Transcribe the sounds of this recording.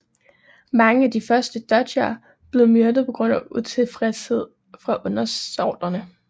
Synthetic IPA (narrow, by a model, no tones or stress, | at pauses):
mɑ̈ŋəæd̥ifɶɐsd̥əd̥ɒ̥æ | b̥le̝ʊmøɐd̥ð̩ˠpʰɒɔ̽ɡ̥ʁɔ̽n̰æut͡sʰe̝lfʁɛshe̝ð̞̰ˠ | fʁɑ̈ʔɔ̽nɐsɒːd̥ɐnə